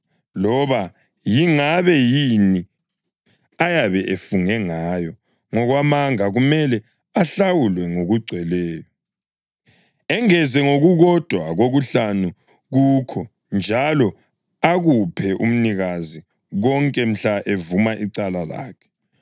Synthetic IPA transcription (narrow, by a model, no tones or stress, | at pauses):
lɔβa | jiŋaβɛjini | ajaβɛʔefuŋɛŋaːjɔ | ŋɔɣwamaŋaɣumɛlɛ | aɬawulwɛŋoɣuɡ͡ǀʱwɛlɛːjɔ | ɛŋɛzɛŋoɣuɣɔd̥ʱwaɣoɣuɬanu | ɣuːkʰɔ | nd͡ʒʱalɔ | aɣupʰɛʔum̩niɣazi | ɣɔŋkʼɛm̩ɬaʔevumaʔiǀalala̰ːkʰɛ̥